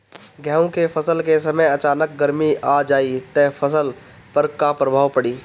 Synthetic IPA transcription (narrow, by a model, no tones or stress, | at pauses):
ɡʱɛːõkefʰəsəlkesɐməjɐt͡ʃaːnək̚ɡəɾmiad͡ʒaːit̪ɛːpʰəsəl | pəɾkapɾəbʱaːʋpəɽiː